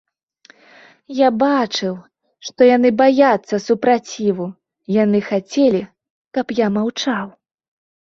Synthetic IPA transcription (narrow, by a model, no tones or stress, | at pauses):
jabat͡ʂɨw | ʂt̪ɔjanɨbajat̪sːɐsupɾat͡sʲivu | janɨxat͡sʲelʲi | kɐpjamawt͡ʂaw